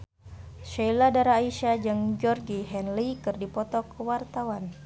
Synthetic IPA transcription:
ʃailadaɾaːiʃad͡ʒɨŋd͡ʒɔrɡiɦɛnlikɨrdipɔt̪ɔkəwart̪awan

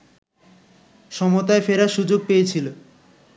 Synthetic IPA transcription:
ʃɔmot̪aefeɾaʃud͡ʑoɡ̚pejet͡ɕʰilo

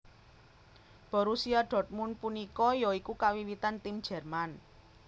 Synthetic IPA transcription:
b̥ɔ̤ɾusiaɖ̥ɔ̤t̪̚mʊnpunikɔjɔikukawiwit̪ant̪im̥ʒ̥ɛ̤rman

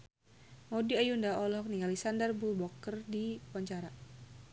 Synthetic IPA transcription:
modiajundaɔlhɔk̚nialisandərbulbɔkːərdiwaɲt͡ʃaɾa

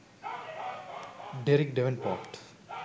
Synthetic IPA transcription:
ɖeɾik̚ɖeʋẽnpɔ̰ːɾʈ

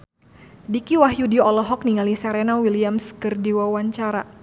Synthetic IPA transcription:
dikiwaɦjudiɔlɔɦɔk̚niŋalisɛɾɛnawiliamskɨrdiwawaɲt͡ʃaɾa̰

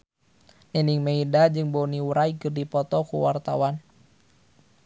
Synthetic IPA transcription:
ʔiniŋmeidad͡ʒɨŋboniuɾaikɨrdipɔt̪ɔkṵwart̪awan

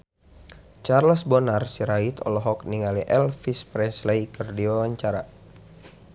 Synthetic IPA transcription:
t͡ʃarləsbɔnarsiɾait̪ʰɔ̰lɔɦɔkniŋaliʔɛlfispɾɛslejkɨrdiwawaɲt͡ʃaɾa

